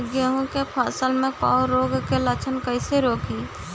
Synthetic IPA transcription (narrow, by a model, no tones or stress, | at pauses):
ɡjəɦõkepʰaːsəlmẽkɔːɾoːɡkelət͡ʃʰənkəɪseɾoːkiː